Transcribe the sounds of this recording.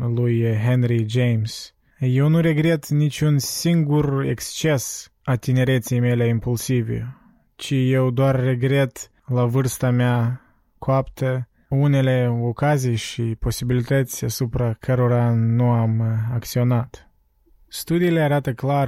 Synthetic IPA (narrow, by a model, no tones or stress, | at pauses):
lujɦenɾid͡ʒejms | je̞wnuɾe̞ɡɾet̪nit͡ʃʲunsiŋɡure̞̰kst͡ʃe̞s | at̪ine̞ɾe̞t̪sejme̞leimpulsivḛ | t͡ʃije̞wd̪oarːe̞ɡɾe̞t̪ | lavɨrst̪amea | koapt̪ə | une̞le̞o̞kazijʃipo̞sibilit̪ət̪sʲasupɾakʰəɾoɾanuamakt̪sio̞nat̪ | st̪ud̪iːle̞aɾat̪əklar